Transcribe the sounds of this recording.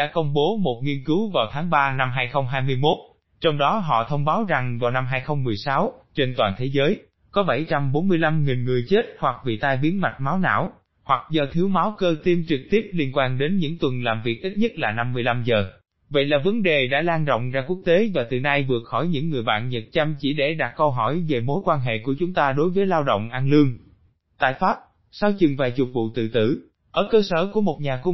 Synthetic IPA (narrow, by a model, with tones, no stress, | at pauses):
ɗa̰ː˧˥kə˧wŋ͡mɓo˨˦mo˨˩t̚ŋi˧ənkɨ˨˦wvaː˨˩wt̪ʰaː˨˦ŋɓaː˧na˧mɦaː˧jxə˧wŋ͡mɦaː˧jmɨ˧əjmo˦˥t̚ | t͡ɕɔ˧wŋ͡mɗɔ˨˦ɦɔ̰˧˨t̪ʰə˧wŋ͡mɓaː˨˦wza˨˩ŋvaː˨˩wna˧mɦaː˧jxə˧wŋ͡mmɨ˨˩əjsa˨˦wt͡ɕe˧nt̪waː˨˩nt̪ʰe˨˦zəː˨˦j | kɔ˨˦ɓa˧˩jt͡ɕa˧mɓo˨˦nmɨ˧əjla˧mŋi˨˩nŋɨ˨˩əjt͡ɕe˦˥t̚hwa˨˩k̚vḭ˧˨t̪a˧jɓi˨˦ənma˨˩t̟̚maː˨˦wna̰ː˧˥˨w | hwa˨˩k̚zəː˨˩t̪ʰi˨˦əwmaː˨˦wkəː˧t̪i˧mt͡ɕɨ˨˩k̚t̪i˦˥əp̚li˧ənkwaː˧nɗe˨˦nɲɨ̰˧˥ŋt̪wə˨˩nlaː˨˩mvi˨˩ək̚ʔi˦˥t̚ɲə˦˥t̚laː˨˩na˧mːɨ˧əjla˧mzəː˨˩ | və̰˧˨jlaː˨˩və˨˦nɗe˨˩ɗa̰ː˧˥laː˧ŋɗo̰˧˨wŋ͡mzaː˧ku˦˥ək̚t̪e˨˦vaː˨˩t̪ɨ˨˩na˧jvɨ˨˩ək̚xɔ˧˩jɲɨ̰˧˥ŋːɨ˨˩əjɓa̰ː˧˨nɲə˨˩t̚t͡ɕa˧mt͡ɕi˧˩ɗe˧˩ɗaː˨˩k̚kə˧wɦɔ˧˩jve˨˩mo˨˦jkwaː˧nɦḛ˧˨ku˧˩ət͡ɕʊ˨˦ŋ͡mt̪aː˧ɗo˨˦jvəː˨˦jlaː˧wɗo̰˧˨wŋ͡mʔa˧nlɨ˧əŋ | t̪a̰ː˧˨jfaː˦˥p̚ | saː˧wt͡ɕɨ˨˩ŋvaː˨˩jt͡ɕʊ˨˩t̚vṵ˧˨t̪ɨ̰˧˨t̪ɨ̰˧˩ | ʔəː˧˩kəː˧səː˧˩ku˧˩əmo˨˩t̚ɲaː˨˩kʊ˧ŋ͡m